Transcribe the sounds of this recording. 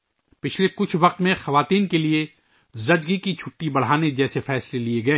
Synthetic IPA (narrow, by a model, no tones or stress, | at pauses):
pɪt͡ʃʰlekʊt͡ʃʰʋɐq̚t̪mẽxɐʋaːt̪iːnkelie | zɐd͡ʒɡikit͡ʃʰʊʈːibɐɽ̤aːned͡ʒɛːsefɛːslelieɡɐẽː